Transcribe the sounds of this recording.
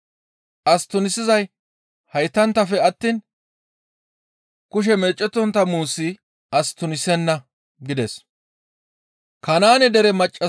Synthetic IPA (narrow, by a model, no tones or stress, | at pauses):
ʔɐst̪ːʊnɪsɪzɐj | hɐjt̪ːɐnt̪ːɐfɛɐt̪ːiːn | kʊʃ̬ɛmɛːt͡ʃʼːɛt̪ːɔnt̪ːɐmuːsːɪ | ɐst̪ːʊnɪsɛnːɐ | ɡɪd̪ɛs | kɐnaːnɛd̪ɛɾɛmɐt͡ʃʼːɐ